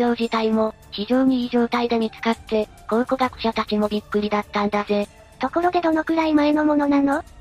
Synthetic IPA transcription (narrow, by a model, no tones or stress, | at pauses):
o̞ːʑit̪aimo̞ | çiʑo̞ːɲ̟iːʑo̞ːt̪aid̪aɲ̟it͡sɨ̥kat̪ːe̞ | ko̞ːko̞ɡakɯ̟̥ɕat̪at͡ɕimo̞bʲikːɯ̟ɾʲid̪at̪ːãnd̪aze̞ | t̪o̞ko̞ɾo̞d̪e̞d̪o̞no̞kɯ̟ɾaimaeno̞mono̞nano̞